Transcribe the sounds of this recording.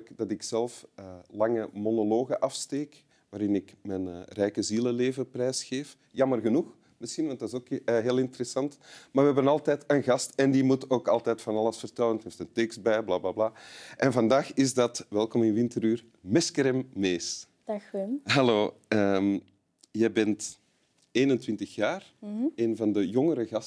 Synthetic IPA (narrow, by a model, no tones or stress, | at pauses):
kdɑtɪksɛlˠfəlɑŋəmonɔloːɣəʔɑfsteːk | ʋaːɾɪnɪkmɛnrɛjkəziləleːvəprɛːsxeːf | jɑmərɣənux | mɪsxinʋɑnt̚dɪzoːkːɦeːlˠɪntəɾɛsɑntmaːɹʋəɦɛbənɑlˠtɛːtənɣɑstɛndimutoːkɑlˠtɛːtfɑnɑlˠəsfərtɛləntheːftəntɛkst̚bɛjblaːblaːblaːʔɛnvɑndaːxɪzdɑtʋɛlˠkɔmɪnʋɪntəɾyːr | mɛskəɾɛmːeːs | d̥xɦɑloː | əm | jɛbɛnt | eːnəntwʋɪntəxjaːreːnvɑndəjɔŋəɾəɣɑs